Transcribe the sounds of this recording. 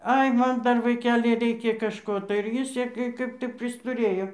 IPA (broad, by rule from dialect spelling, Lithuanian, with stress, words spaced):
ˈɐɪ ˈmɐn ˈdɐr ʋɐɪˈkʲæːlʲɪ ˈrʲɛɪkʲɛ kɐʃˈkoː tɐɪ ɪr ˈjɪs ˈsʲiɛkʲeː ˈkɐɪp tɐɪ pʲrʲɪstʊˈrʲeːjoː